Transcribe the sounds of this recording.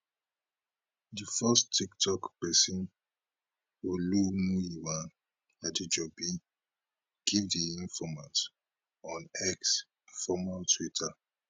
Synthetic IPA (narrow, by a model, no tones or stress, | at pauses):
difɛstiktʰɔkpɛsĩn | wolunujiwãn | adid͡ʒɔbi | ɡ̥ivdiĩnfɔmãs | ɔ̃nɛks | fɔmaltʰwitʰa